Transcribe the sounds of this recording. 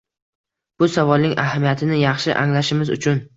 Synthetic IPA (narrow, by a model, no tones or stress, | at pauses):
b̥ʊsavɒlˠnɪŋʔa̰ɦamijat̪ʰɪnɪjɑχʃɪʔaŋlaʃɪmɪzʊ̰t͡ʃʰʊn